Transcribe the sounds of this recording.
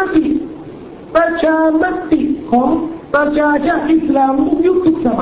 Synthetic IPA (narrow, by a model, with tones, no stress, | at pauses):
a˦t̪i˨ʔ | pɾa˧t͡ɕʰaː˧ma˦˥t̪i˨˩kʰɔː˩˦ŋpɾa˧t͡ɕʰaː˧t͡ɕa˧˥nʔi˦˩slaː˧mu˦˥ju˦˥k̚sʰu˨˩k̚sa˨˩˦m˧